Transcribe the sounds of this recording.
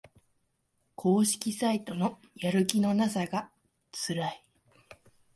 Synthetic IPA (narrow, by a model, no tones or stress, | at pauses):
kʰo̞ːɕi̥kʲisait̪o̞no̞ | jaɾɯ̟kʲino̞nasaɡa | t͡sɨɾai